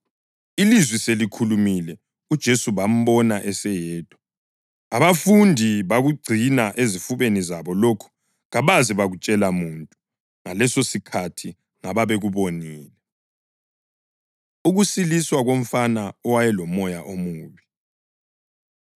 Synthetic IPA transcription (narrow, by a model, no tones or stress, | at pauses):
ilizwiselikʰulumilɛ | ud̥ʒ̥ʱesuβam̩βɔnaʔɛsɛjɛːd̥ʱʼɔ̥ | aβafundʱiβaɣuɡ͡ǀʱinaʔezifuβenizaβɔlokʰu̥ | ɣaβaziβaɣut͡ʃʼɛlamuntʼu | ŋalɛsosikʰatʰi | ŋaβaβeɣuβoniːlɛ | uɣusiliswaɣom̩fanaɔwajɛlɔmɔjaʔomuːβi